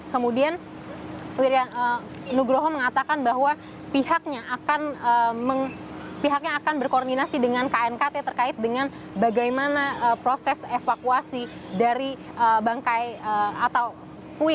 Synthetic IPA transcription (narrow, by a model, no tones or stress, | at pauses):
kəmudian | wiɾiaə | nuɡɾoɦɔməŋat̪akanbaɦwa | pihak̚ɲaʔakanəməŋpiɦak̚ɲaːkanbərkordinasidəŋankaɛnkat̪et̪ərkaɪt̪̚dəŋan | baɡajmanaəpɾosɛsefakuasidaɾi | ʔəbaŋkajəat̪aw | puɪ